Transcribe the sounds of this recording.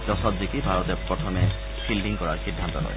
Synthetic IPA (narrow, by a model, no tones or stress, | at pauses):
d͡ʒɔsɔt̪d̪ikibʱaɾɔt̪epɾɔt̪ʰɔme | silɖiŋkɔɾaɾsid̪ʱːant̪ɔɾɔ̰ḛ